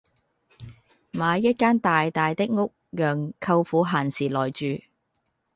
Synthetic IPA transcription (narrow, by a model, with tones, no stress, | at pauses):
maː˨˧jɐ˥t̚kaː˥nt̪aː˨jt̪aː˨jt̪ɪ˥k̚ŋʊ˥k̚jœː˨ŋkʰɐ˧wfuː˨˧˥ɦaː˨˩nsiː˨˩lɔː˨˩jt͡ʃyː˨˧